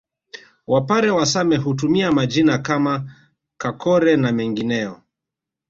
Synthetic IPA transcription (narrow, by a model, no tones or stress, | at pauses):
wapaɾɛwasamɛɦut̬umiamad͡ʒinakama | kakɔɾɛnamɛŋɡinɛjɔ